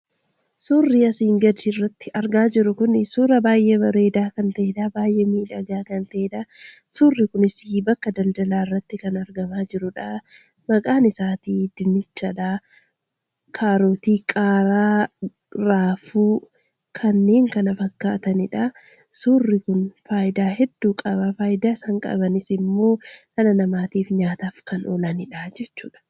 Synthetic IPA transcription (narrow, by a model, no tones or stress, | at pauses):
suːrːiːɐsiːŋɡɐd̪ɪrːɐt̪ːɪʔɐɾɡaːd͡ʒɪɾʊkʊnɪsuːrɐbaːjʔɛbɐɾe̞ːd̪aːkɐnt̪ɐʔeᶑ̪aːbaːjʔɛmiːᶑɐɡaːkɐnt̪ɐeᶑ̪asuːrːɪkʊnɪsibɐkːɐd̪ɐld̪ɐlaːɪrːɐt̪ːɪkɐnɐɾɡɐmaːd͡ʒɪɾʊᶑa | mɐkʼaːnɪsaːt̪iːd̪̥ɪnɪt͡ʃːɐᶑaː | kʰaːɾoːt̪iːkʼaːɾaː | ɾaːfuː | kʰɐnːe̞ːŋkɐnɐfɐkːa̰ːt̪ɐnɪᶑɐ | suːrːɪkʊnfaːjd̪aːɦɛd̪ːuːkʼɐβɐfaːjd̪aːɪsɐŋkʼɐ̰bɐnɪsɪmːo̞ːkɐlɐnɐmaːt̪iːfɲaːt̪aːfkɐnʔo̰ːlɐnɪᶑaːd͡ʒɛt͡ʃːuːᶑɐ̥